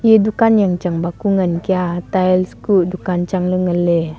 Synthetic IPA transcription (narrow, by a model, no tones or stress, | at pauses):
jedukanjaŋt͡ʃaŋbakuŋənkiat̪aɛlskuʔdukant͡ʃaŋləŋəle